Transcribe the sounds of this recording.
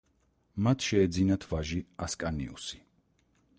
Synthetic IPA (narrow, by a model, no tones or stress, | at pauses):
mat̪ʰʃɛːd̪zinat̪ʰvaʒiaskʼanḭṵsi̥